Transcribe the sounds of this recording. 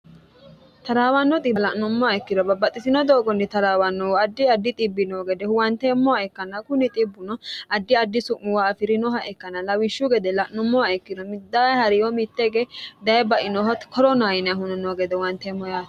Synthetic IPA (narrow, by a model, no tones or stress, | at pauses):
t̪ɐɾaːwɐnːɔt̪ʼɪlɐʔnʊmːɔaɛkːɪd̪ɔbɐbːɐt̪ʼːɪsɪnɔd̪oːɡɔnːɪt̪ɐɾaːwɐnːɔwɐd̪ːɪɐd̪ːɪt̪ʼɪbːɪnoːɡɛd̪ɛhʊwɐnt̪ɛmːɔaɛkːɐnɐkʊnːɪt̪ʼɪbːʊnɔɐd̪ːɪɐd̪ːɪsʊʔːɪwaɐfɪɾɪnɔɦɐʔɛkːɐnɐlɐwɪʃːuɡɛd̪ɛlɐʔnʊmːɔaɛkːɪd̪ɔmɪd̪ːahɐɾɪjɔmɪt̪ːɛɡɛd̪ɐjɛbɐʔɪnɔɦɔt̪kʰɔɾɔnajɪnɛɐhʊnɔnoːɡɛd̪ɛwɐnt̪ɛmːɔjaːt̪